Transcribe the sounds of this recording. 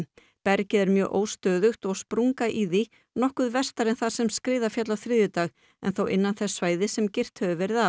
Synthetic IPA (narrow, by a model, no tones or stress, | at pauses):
pɛɾcɪðɛɾmjœːɣʔo̰ːwst̪œːðʏxt̪ɔɣspɾuŋkaʔiði | nɔhkʏðvɛrst̪aɾɛnθḁsɛmskɾɪːðafjat̪lawθɾɪːðjʏt̪aːɣ | ɛ̰nθowʔɪ̰nːanθɛsːvaːjðɪsɛmcɪr̥t̪hœvʏvɛɾɪða